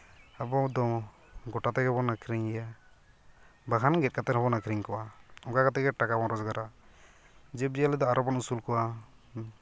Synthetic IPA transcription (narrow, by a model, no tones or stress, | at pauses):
abɔd̪ɔ | ɡɔʈat̪ɛkɡɛbɔnakʰɾiŋɛja | baɦanɡɛt̚kat̪ɛɾɦɔbɔnakɾiŋkɔwaɔŋkakat̪ɛɡɛʈakabɔɾɔd͡ʒɡaɾa | d͡ʒɛb̚ijalɛd̪ɔaɾɔbɔnusulkɔwa